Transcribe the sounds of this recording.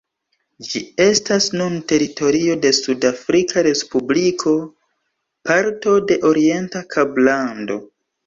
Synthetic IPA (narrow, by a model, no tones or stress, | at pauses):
d͡ʒie̞stasnunte̞ɾito̞ɾio̞de̞sudafɾikʰaɾe̞spublikʰo̞ | paɾto̞de̞ʔo̞ɾie̞ntakʰablando̞̰